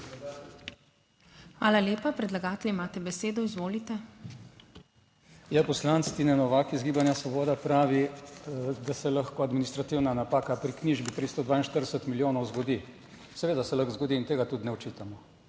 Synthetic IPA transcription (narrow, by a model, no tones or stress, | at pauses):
xʋaːlalʲjeːpapɾɛd̪laɡaːt̪ɛlʲiimaːt̪ɛbɛseːd̪ɔizʋoːlit̪ɛ | japɔslanst̪inɛnɔʋakizɡiːbanjasʋɔbɔːd̪apɾaːʋi | d̪asɛlaxkɔad̪minist̪ɾat̪iwnanapaːkapɾikniːʒbip̪ɾist̪ɔd̪ʋaːinʃt̪əɾd̪ɛsət̪miljoːnɔwzɡɔd̪i | sɛʋeːd̪asɛlaxzɡɔd̪iːnt̪eːɡat̪ud̪nɛɔt͡ʃiːt̪amɔ